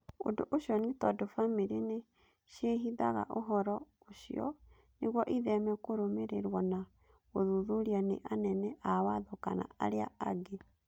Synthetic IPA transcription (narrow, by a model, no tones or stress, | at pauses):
o̰ndoʔoɕjɔnetɔdofamiɾine | ʃeɦiða̰ɣa̰ʔoɦɔɾɔ | oɕiɔ̰ | neɣwɔʔiðɛmɛkoɾomeɾeɾwɔna | ɣoðuðuɾianeʔanɛnɛʔawaðɔka̰na̰aɾea̰aɡe